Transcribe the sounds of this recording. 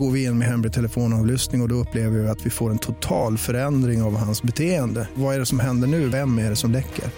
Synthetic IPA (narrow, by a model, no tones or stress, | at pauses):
ɡoːɾvɪɪnːɔmɛɦɛmɾɪt̪ʰɛləfoːnɑːvlʏst̪nɪŋɔd̪ɔɵpːleːvəɾɪɪat̪vɪfoːɾɛnt̪ʰʊt̪ʰɑːlfœɾɛnd̪ɾɪŋavhansbɛt̪ʰeːənd̪əvaæɖɛsɔmɦɛnd̪əɳʉ̟ːvɛmːæɖɛsɔmlɛkʰːə̰ɾ